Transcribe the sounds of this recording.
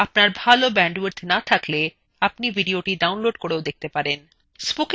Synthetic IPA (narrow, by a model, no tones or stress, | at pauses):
apnaɾbʱalobɛɳɖweɾd̪ʰnat̪ʰakle | apnibʱiɖioʈiɖawnloɖkoɾeod̪ek̚ʰt̪epaɾen | sbuk